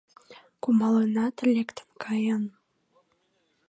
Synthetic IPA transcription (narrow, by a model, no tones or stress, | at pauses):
kumɑlənɑt̪ə̆lʲekt̪ə̥nkʰɑjən